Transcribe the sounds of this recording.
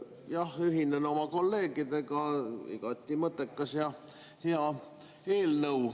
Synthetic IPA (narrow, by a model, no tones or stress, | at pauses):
jɑhyɦinːeno̞mɑko̞lːe̞ːɡ̥id̪̥e̞ɡ̥ɑḭɡ̥ɑt̪ʲːˑimɤt̪ːˑekːɑsjɑ | heɑ | e̞ːlnɤuw